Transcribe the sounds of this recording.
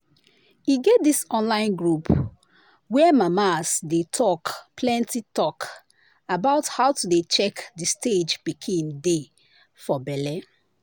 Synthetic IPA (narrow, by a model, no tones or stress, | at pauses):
iɡɛt̚disɔ̃nlãɪ̃nɡɹup | wɛmamasdetʰɔkpʰlɛ̃ntitɔk | abaʊthaʊtudet͡ʃɛkdisted͡ʒpikʰĩnde | fɔbɛlɛ